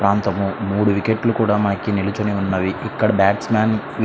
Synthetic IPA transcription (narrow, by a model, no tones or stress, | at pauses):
pɾaːnt̪ɐmumuːɽuʋikeʈlukuːɽaːmaːɐkinilut͡ʃuniunːɐʋiʔikːɐɽɐbaːʈsmaːn